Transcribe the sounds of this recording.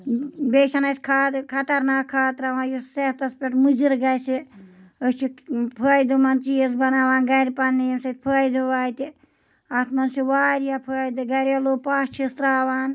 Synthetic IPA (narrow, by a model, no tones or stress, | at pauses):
beːʃɐnɐsʲkʰaːt̪kʰɐt̪ɐɾnaːkʰːaːt̪ɾaʋaːnjuseht̪ɐspʲeʈmɨd͡ʒiɾɡɐjsiəsʲt͡ʃʰipʰəːjd̪ɨmɐnt͡ʃijesbɐnaːʋaːnɡɐɾʲipɐnːijemsɐt̪̚ʲpʰəːjd̪ɨʋaːjt̪i | ɐt̪mɐnsiʋaːɾijapʰəːjd̪ɨɡɐɾʲɐloːpaːʃt͡ʃʰist̪ɾaːʋaːn